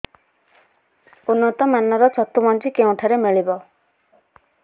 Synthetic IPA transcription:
unːɔt̪ɔmanɔɾɔt͡ʃʰɔt̪umɔnt͡ʃikeũʈʰaɾemeɭibɔ

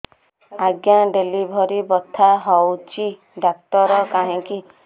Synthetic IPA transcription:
aɡjaɖelibʱɔɾibɔt̪ʰaɦɔwt͡ʃʰi | ɖak̚t̪ɔɾɔkaɦĩki

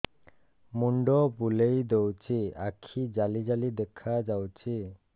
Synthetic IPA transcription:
muɳɖopulejd̪ewt͡ʃʰiakʰid͡ʒalid͡ʒalid̪ekʰad͡ʒawt͡ʃʰi

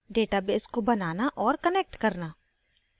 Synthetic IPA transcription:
ɖeːʈabeːskobɐnaːnaʔɔːɾkəneːk̚ʈkɐɾnaː

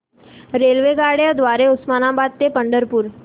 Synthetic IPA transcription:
ɾeːlʋeɡaːɽjad̪ʋaːɾeʊsmaːnãbaːd̪t̪epəɳɖəɾpuɾ

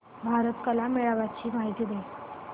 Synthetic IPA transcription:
bʱaɾət̪kəlameɭaʋat͡ɕiːmaɦit̪iːd̪e

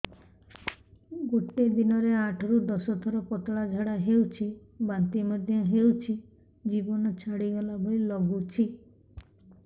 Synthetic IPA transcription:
ɡoʈed̪inɔɾeaʈʰɔɾud̪ɔsɔt̪ʰɔɾɔpɔʈɭad͡ʒʱaɽaɦewt͡ʃʰi | bant̪imɔd̪ʱjɔɦewt͡ʃʰi | d͡ʒibɔnɔt͡ʃʰaɽiɡɔlabʱoilɔɡut͡ʃʰi

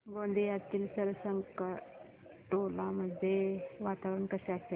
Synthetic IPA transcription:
ɡõnd̪ʱijad̪̚t̪iːlsəɾʋəsəŋka | ʈolaməd̪ʱːeʋat̪aʋɾəɳkəɕease

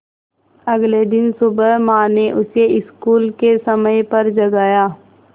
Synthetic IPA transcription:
ɐɡled̪ɪnsʊbəɦmãːneʔʊseʔɪskuːlkesɐməjpɐɾd͡ʒɐɡaːjaː

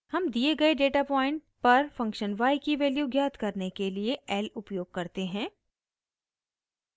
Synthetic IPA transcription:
hɐmd̪ieɡɐeɖeːʈaːpɔːɪ̃ɳʈ̚ | pɐɾfɐ̃ŋkʃənʋaːikiʋeːljuɡjaːt̪kɐɾnekelieɛːlʊpjoːɡ̚kɐɾt̪eɦɛ̃ː

